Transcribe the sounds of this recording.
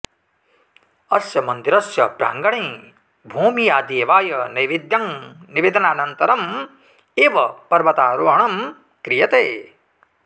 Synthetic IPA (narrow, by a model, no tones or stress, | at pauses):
ɐsjɐmɐnd̪iɾɐsjɐbɾa̰ːŋɡɐɳẽː | bʱuːmijaːd̪eːʋaːjɐnɐjʋid̪jɐŋniʋeːd̪ɐnaːnɐnt̪ɐɾɐm | eːʋɐpɐɾʋɐt̪aːɾoːɐɳɐm | kɾijɐt̪eː